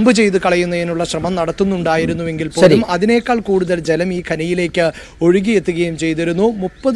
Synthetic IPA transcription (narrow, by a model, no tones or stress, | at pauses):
mbɨt͡ɕe̞jt̪̬ɨkɐɭɐjunːɐenuɭːɐɕrɐmɐmnɐɽɐt̪ːunːuɳɖaːjiɾunːuʋe̞ŋɡilpoːlumɐðine̞ːkːaːɭkuːɽuðɐld͡ʑelɐmiːkʰɐnɐjile̞ːkːɨ | o̞ɻiɣije̞t̪ːuɣɐjumt͡ɕe̞jt̪iɾunːumupːɐð